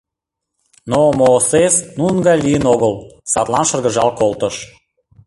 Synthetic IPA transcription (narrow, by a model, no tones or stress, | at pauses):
nomoːsesnunɡɑjlijənoɣəlsɑt̪lˠɑnʃərɣə̆ʒɑlkolˠt̪əʃ